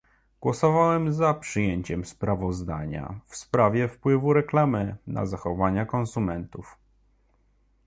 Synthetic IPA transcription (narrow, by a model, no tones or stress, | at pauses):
ɡ̥wɔsɔvawɛmzapʂɘjeɲt͡ɕɛmspɾavɔzd̪aɲa̰fspɾavʲjɛfpwɘvuɾɛklamɘnʔa̰zaxɔvaɲakɔnsumɛnt̪uf